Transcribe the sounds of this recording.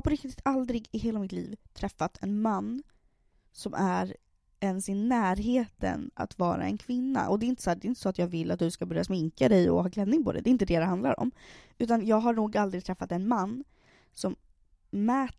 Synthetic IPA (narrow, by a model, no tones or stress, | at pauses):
pʰɔɾɪk̚t̪ɪt̪ʰald̪ɾɪɡɪɦeːlamɪt̪lḭːvt̪ʰɾɛfːat̪ʰɛnmanː | sɔmʔæɾ | ɛnsɪnæːɾɦeːt̪ə̰na̰t̪vɑ̰ːɾa̰ɛ̰nkʰvɪnːa̰ʔɔd̪ɛɪnt̪ə̥sɔhæːɖɛɪnt̪əsɔːt̪jɑːɡvɪlːa̰t̪̚d̪ɵskabœɾjasmɪŋkad̪ɛjɔ̰ɦɑːɡlɛd̪nɪŋpɔd̪ɛ̰d̪ɛɪnt̪əd̪ɛːd̪ɛɦand̪la̰ɾɔ̰mʉ̟ːt̪anjɑːɡɦaɳuːɡald̪ɾɪɡ̚t̪ʰɾɛfːat̪ɛnmanː | sɔm | mɛːt̪